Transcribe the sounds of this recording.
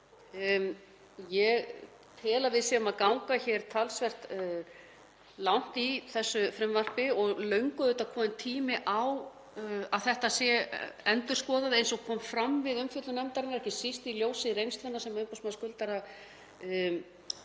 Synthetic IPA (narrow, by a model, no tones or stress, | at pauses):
jɛɣ | t̪ʰɛːlavɪðsɛʏmaðkawŋkaçɛɾ̥t̪ʰalsvɛr̥t̪ | lawn̥t̪iθɛsːʏfɾɛmvar̥pɪɔɣlœɥŋkʏðʏːt̪akʰɔːmɪnt̪ʰiːmɪʔaw | aðθɛht̪asjɛɛnt̪ʏ̥skɔːðaðɪejnsɔɣkʰɔːmfɾamvɪðʏmfjʏt̪lʏnɛmt̪aɾɪnaɾɛhcɪsist̪iljoːwsɪiɾejŋnst̪vɛnːasɛmaʏmpɔsmaðskʏlt̪aɾa